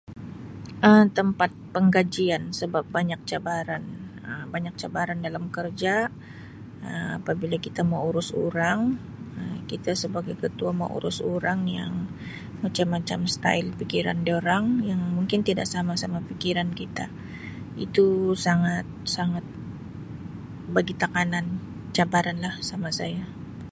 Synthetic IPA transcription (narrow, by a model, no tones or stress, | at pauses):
ʔəmt̪əmpat̪̚pəŋɡad͡ʒiansəbap̚baɲak̚t͡ʃabaɾan | əmbaɲak̚t͡ʃabaɾandalamkərd͡ʒa | əma̰pabilakit̪amauɾʊsṵɾaŋ | əmkit̪asəbaɡajkət̪uama̰ʔṵɾʊsoɾaŋja̰ŋ | mat͡ʃamːat͡ʃamst̪a̰ɪlpikiɾa̰ndioɾaŋjaŋmuŋkɪnt̪idaʔsamasamapikiɾankit̪a̰ | ḭt̪usaŋat̪̚saŋat̪̚ | baɡit̪akanan | t͡ʃabaɾanlahsamasaja